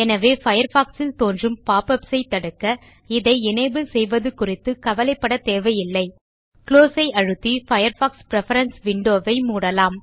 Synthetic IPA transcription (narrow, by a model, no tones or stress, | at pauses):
ɛnɐʋeːfɐjɐɾfaːksɪlt̪oːndrɯmpaːpɐpsɐɪt̪ːɐɽɯkːɐ | ɪðɐɪɪnɐɪbɯsɛjʋɐðɯkʊrɪt̪ːɯkɐʋɐlɐɪpːɐɽɐt̪eːʋɐjɪlːɐɪ | kloːsɐɪɐɻɯt̪ːifɐjɐɾfaːkspɾɛfɐɾɐnsʋɪɳɖoːʋɐɪmuːɽɐlaːm